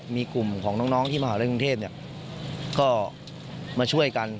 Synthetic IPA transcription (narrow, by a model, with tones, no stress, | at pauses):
miː˧ku˨˩mkʰɔː˩˦ŋnɔː˦˥ŋnɔː˦˥ŋt̪ʰiː˥˩maː˧aː˨˩˦ɾku˧ŋt̪ʰeː˥˩p̚ni˥˩ɐ | kɔː˥˩ | maː˧t͡ɕʰu˥˩əjka˧n